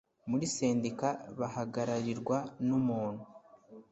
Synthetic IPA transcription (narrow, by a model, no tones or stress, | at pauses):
muɾise̞ːndikaβahaɡaɾaɾiɾɡwanumuːn̥hu